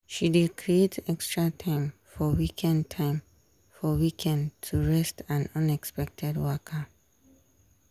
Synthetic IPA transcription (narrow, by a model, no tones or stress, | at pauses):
ʃididkʰɹietɛkstɹatʰãɪ̃mfɔwikʰɛ̃ntʰãɪ̃m | fɔwikʰɛ̃ntʰuɹɛstãnʌ̃nɛkspɛk̚tʰɛdwɔkʰa